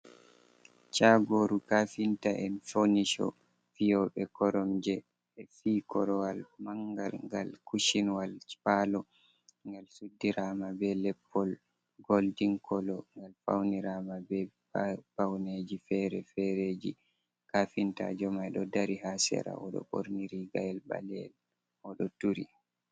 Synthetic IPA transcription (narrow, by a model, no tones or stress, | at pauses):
t͡ʃaɡoɾukafintaʔɛnfoniʃɔ̰ | fijɔɓɛkɔɾɔmd͡ʒɛ | ɛfiːkɔɾɔwalmaŋɡa̰lŋɡa̰lkuʃinwalt͡ʃpalɔ | ŋɡalsudːiɾamabɛlɛpʰːɔl | ɡoldiŋkʰɔlɔŋɡalfa̰wniɾamabɛ | pawned͡ʒifɛɾɛfɛɾed͡ʒi | kafinta̰d͡ʒɔmajɗɔdaɾiɦasɛ̰ɾa̰ʔɔɗɔ̰ɓo̰ɾniɾiɡajɛlba̰lɛ̰l | ɔɗɔtuɾi